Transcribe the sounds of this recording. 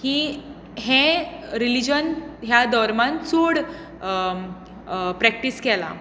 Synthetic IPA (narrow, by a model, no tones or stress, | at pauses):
hĩ | ɦẽɾilid͡ʑənɦjad̪ʱɔɾmãnt͡suɽ | pɾɛk̚ʈiskɛla̰